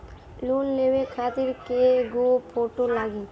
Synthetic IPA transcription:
luːnleʋekʰaːt̪ɪɾkeɡopʰoːʈolaːɡe

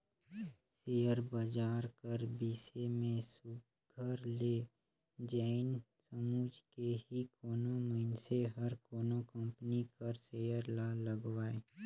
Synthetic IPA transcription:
seːjəɾbəd͡ʒaːɾkəɾbiːsemẽsʊɡ | ɡʱəɾleː | d͡ʒɛːɪnsəmuːd͡ʒkeɦikoːnoməɪnseɦɐɾkoːnokə̃mpnikɐɾseːjəɾlaːləɡwaːeː

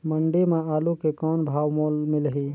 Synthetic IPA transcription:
məɳɖemẽaːlukekɔːnbʱaːwmoːlmɪlɦi

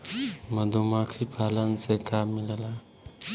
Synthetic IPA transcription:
məd̪ʱumakʰipʰaːlənsekamːilela

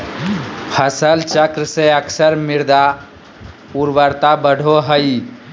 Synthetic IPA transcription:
pʰəsəlt͡ʃəkɾəseəksəɾmɪɾd̪a | puɾʋəɾt̪abəɽʱoɦəi

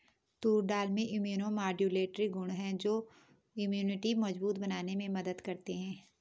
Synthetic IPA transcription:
t̪uːɾɖaːlmẽʔɪmjuːnõmaːɖjuleːʈɾiɡʊ̃ɳɦɛ̃d͡ʒoː | ʊmjuːnɪʈimɐd͡ʒbuːt̪bɐnaːnemẽmɐd̪əd̪kɐɾt̪eɦɛ̃ː

